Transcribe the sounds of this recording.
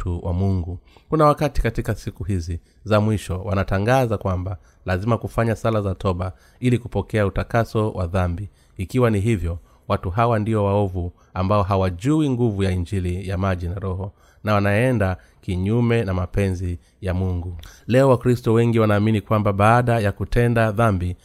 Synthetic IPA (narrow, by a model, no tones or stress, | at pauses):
tuwamuŋɡu | kunawakati̥katikasikuhizi | zamwiʃɔwanataŋɡazakwamba | lazimakufaɲasalazatʰɔɓa | ilikupɔkɛautakasɔwʔaðambiː | kiwaniɦivjɔ | watuɦawandiɔwaɔvu | ambaɔɦawaʄuiŋɡuvujaiɲd͡ʒilijamaʄinaɾɔɦɔ | nawanaɛnda | kiɲumɛnamapɛnzi | jamuŋɡulɛɔwakɾistɔwɛŋɡiwanaːminikwambaɓaːɗajakutʰɛndaðambi